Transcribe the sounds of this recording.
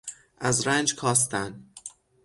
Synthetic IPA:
ʔæzɾænd͡ʒkʰɒːs̬t̪ænd̪

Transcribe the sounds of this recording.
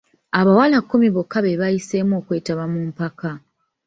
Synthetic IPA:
aβawalakːumiβokːaβe̞βajise̞ːmuo̞ːkwe̞ːtaβamuːmpaka

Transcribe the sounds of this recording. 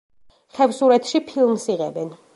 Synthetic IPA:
χɛvsuɾɛt̪ʰʃipʰilˠmsiʁɛ̰bɛn

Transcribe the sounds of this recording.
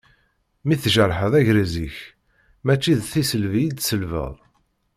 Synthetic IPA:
miθʒəɾħəðˤæʝɾæziç | mæt͡ʃːiðθisəlvijid̪səlvə̰ðˤ

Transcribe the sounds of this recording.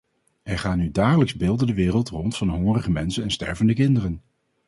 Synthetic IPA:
ɛɹχaːnydaːχələksbɪːlˠdəndəʋɪːrəlˠtrɔntfɑnɦɔŋərəχəmɛnsənɛnstɛ̰ɹvəndəkɪndərən

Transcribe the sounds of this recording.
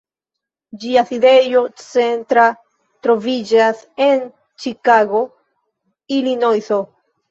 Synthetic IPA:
d͡ʒiaside̞jot͡se̞ntɾa | tɾo̞vid͡ʒase̞n | t͡ʃikaɡo̞ | ilinojso

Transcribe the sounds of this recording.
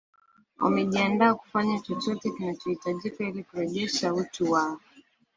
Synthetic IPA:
wa̰mɛʄiandaːku̥faɲat͡ʃɔt͡ʃɔtɛkinat͡ʃɔhitaʄikailikuɾɛʄɛʃautuwaɔ

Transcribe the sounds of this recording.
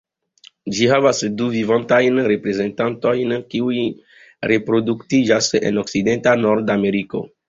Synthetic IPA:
d͡ʒiɦavasduvivãntajnɾepɾezẽntãntojnkiuj | ɾepɾod̪ukt̪id͡ʒasḛnoksidẽnt̪anɔɾd̪ameɾiko̰

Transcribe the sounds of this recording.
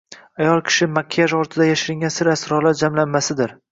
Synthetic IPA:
ajɒlˠkʲʰɪ̥ʃɪmakʲʰːjaʒɒɾt̪ʰɪd̪ajaʃɪɾɪŋɡʲansɪɾasɾɒlaɾd͡ʒamlanːasɪd̪ɪɾ

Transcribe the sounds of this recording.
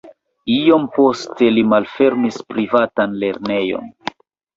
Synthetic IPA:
io̞mpo̞ste̞limalfe̞ɾmispɾivatanle̞ɾne̞jo̞̰n

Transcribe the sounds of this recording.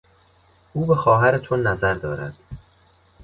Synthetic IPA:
ʔuːbe̞xɒːɦæɾet̪ʰonæzæɾd̪ɒːɾæ̰d̪̥

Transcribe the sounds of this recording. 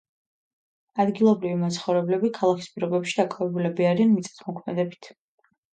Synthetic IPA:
ad̪ɡilˠɔbɾivimat̪sʰχɔvɾɛblɛbikʰalˠakʰi̥spʼiɾɔbɛpʃi̥d̪akʼavɛbulɛbiaɾianmit̪sʼɛ̥t̪ʰmɔkʰmɛd̪ɛbit̪ʰ

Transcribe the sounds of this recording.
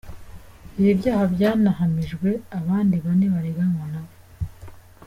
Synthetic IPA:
iβibjaːhabjaːnahamiʒɡwe̞aβaːndiβaneβaɾeɡaŋɡonaβo

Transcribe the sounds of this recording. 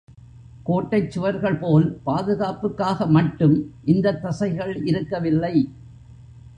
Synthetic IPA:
koːʈːɐɪt͡ʃːʊʋɐɾɣɐɭpoːlpaːðɯɣaːpɯkːaːɣɐmɐʈːɯmʔɪnd̪ɐt̪ːɐsɐɪɣɐɭɪɾɯkːɐʋɪlːɐɪ

